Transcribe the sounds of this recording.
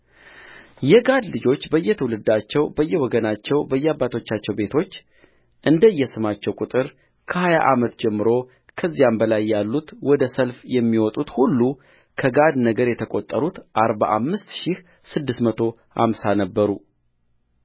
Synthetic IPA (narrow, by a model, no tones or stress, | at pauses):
jɛɡad̪lɨd͡ʒo̞t͡ʃːbəjːɛt̪ʰəwulɨd̪ːat͡ʃːɛwbəjːɛwɔɡənat͡ʃːɛwbəjːɛabːat̪ʰo̞t͡ʃːat͡ʃːɛwbe̞t̪ʰo̞t͡ʃː | ʔɨnd̪əjːɛsɨmat͡ʃːɛwkʼut̪ʼɨɾ | kʰəhaja̰ʔamət̪d͡ʒɛmːɨɾo̞ | kʰəzːijambəlajːalːut̪wɔd̪əsəlfjɛmːiwɔt̪ʼut̪hulːu | kʰəɡad̪nəɡəɾjɛt̪ʰəkʼot̪ʼːəɾut̪ʔaɾba̰ʔa̰mːɨst̪ʃih | sɨd̪ːɨst̪mət̪ʰo̞ | ha̰msanəbːəɾu